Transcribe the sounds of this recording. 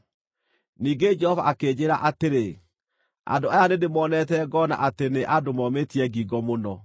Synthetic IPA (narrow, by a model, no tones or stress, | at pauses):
niːɡed͡ʒɛhɔva̰ʔakeːd͡ʑeɾa̰ʔateɾe | a̰ndoajanedemɔːnɛtɛɡɔna̰ʔateneʔadomɔmetiɛɡiɡɔmonɔ